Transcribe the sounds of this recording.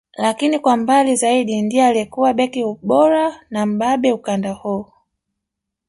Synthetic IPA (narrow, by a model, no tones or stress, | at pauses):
lakinikwambalizaiɗindiɛaliɛkuwaɓɛkiuɓɔɾanam̩ɓaɓɛukandahu